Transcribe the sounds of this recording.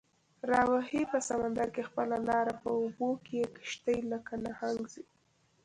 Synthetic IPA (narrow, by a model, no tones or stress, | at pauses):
ɾɑwahipəsamand̪aɾkexpəlalɑɾapəobokejekɪ̥ʃt̪əjlakanahaŋɡzi